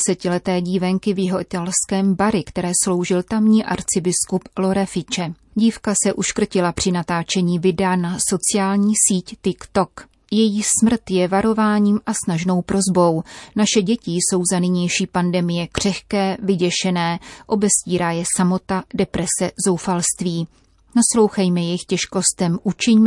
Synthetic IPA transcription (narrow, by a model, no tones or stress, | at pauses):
sɛcɪlɛt̪ɛːɟiːvɛŋkɪvjɪɦo̞ʔɪt̪alskɛːmbaɾɪkt̪ɛɾɛːslo̞wʒɪlt̪amɲiːʔa̰ɾt͡sɪbɪskuplo̞ɾɛfɪt͡ʃɛ | ɟiːfkasɛʔuʃkr̩cɪlapr̝̥ɪnat̪aːt͡ʃɛɲiːvɪdɛanaso̞t͡sɪjaːlɲiːsiːct̪ɪkt̪o̞k | jɛjiːsmr̩t̪jɛvaɾo̞vaːɲiːmʔasnaʒno̞wpɾo̞zbo̞wnaʃɛɟɛcɪso̞wzanɪɲɛjʃiːpandɛmɪjɛkr̝̥ɛxkɛːvɪɟɛʃɛnɛːʔo̞bɛsciːɾaːjɛsamo̞t̪adɛpɾɛsɛzo̞wfalst̪viː | naslo̞wxɛjmɛjɛxcɛʃko̞st̪ɛmʔut͡ʃɪɲm